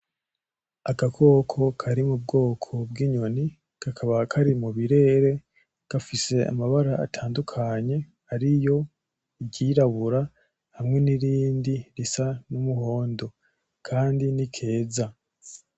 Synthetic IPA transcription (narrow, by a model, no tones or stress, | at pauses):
akakʰo̞ːkʰo̞kʰaɾimubɡo̞ːkʰo̞b̚ɡiːɲo̞ni | kakʰaβakʰaɾimuβiɾe̞ɾe̞ | ɡ̥afise̞a̰maβaɾaa̰tʰaːndukʰaɲe̞ | aɾijo̞ | iɟiɾaβuɾa | hamŋe̞niɾiːndiɾisanumuɦo̞ːndo̞ | kʰaːndinikʰe̞ːza